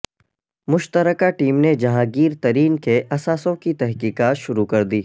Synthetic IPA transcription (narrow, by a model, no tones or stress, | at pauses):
mʊʃt̪əɾəkaʈiːmned͡ʒɐɦãɡiːɾt̪ɐɾiːnkeʔɐsaːsõkit̪ɛɦkiːkaːt̪ʃʊɾukɐɾd̪iː